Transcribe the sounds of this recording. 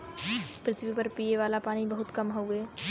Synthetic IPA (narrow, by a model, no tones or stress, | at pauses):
pɾɪt̪ʰʋipɐɾpiːeʋaːlapaːñibɐɦʊt̪kɐmɦoːeː